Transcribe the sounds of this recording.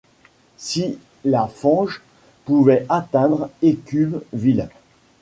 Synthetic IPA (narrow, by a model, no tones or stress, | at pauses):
si | lafɑ̃ʒ | puvɛʔat̪ɛ̃d̪ʁekʲybvil